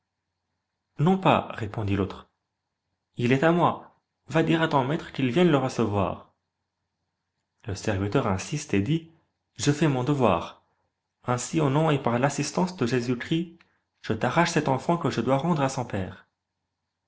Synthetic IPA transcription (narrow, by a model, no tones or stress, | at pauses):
nɔ̃pa̰ʁepɔ̃d̪ilot̪χ | ilɛt̪amwa | vad̪iʁat̪ɔ̃mɛt̪χəkilvjɛ̃d̪ləʁəsəvwa̰ːʁ | ləsɛʁvit̪œʁɛ̃sist̪ed̪i | ʒəfɛmɔ̃d̪əvwa̰ːʁ | ɛ̃sionɔ̃epaʁlasist̪ɑ̃sd̪əʒezykχi | ʒ̥ət̪aʁaʃsɛt̪ɑ̃fɑ̃kəʒəd̪waʁɑ̃d̪ʁasɔ̃pɛːʁ